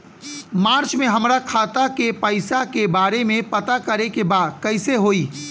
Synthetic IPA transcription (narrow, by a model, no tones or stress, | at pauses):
maːɾt͡ʃmẽɦɐmɾakʰaːt̪akepəɪsakebaːɾemẽpɐt̪akɐɾekebaːd̪kɛɪseɦoːiː